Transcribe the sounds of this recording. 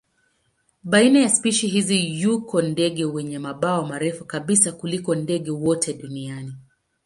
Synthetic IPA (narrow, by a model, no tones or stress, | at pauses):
ɓainajaspiʃiɦizijukɔndɛɠɛwɛɲɛmaɓaɔmaɾɛfukaɓisakulikɔndɛɠɛwɔtʰɛɗuniani